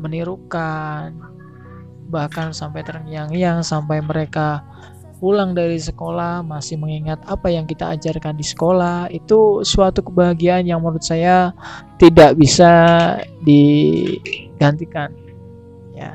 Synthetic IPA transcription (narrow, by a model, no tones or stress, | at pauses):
məniɾukan | bahkansampajt̪əɾəŋijaŋjaŋsampajməɾeka | pulaŋdaɾisəkolahmasɪhməŋiŋat̪̚apajaŋkit̪a̰ːd͡ʒarkandisə̥kolahit̪usuat̪ukəbaɦaɡiaːnjaŋməɾut̪̚sajat̪idaʔbisa | di | ɡ̥ant̪ikan | ja̰